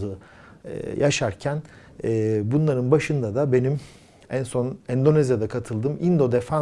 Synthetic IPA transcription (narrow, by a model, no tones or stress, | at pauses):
ɯ̰ | jʔaʃaɾcʰæn | ɛːbunlˠaɾɯnbaʃɯnd̪ad̪abe̞nim | ænso̞nɛnd̪o̞nɛzjad̪akʰat̪ʰɯlˠd̪ɯːmind̪o̞d̪ɛfa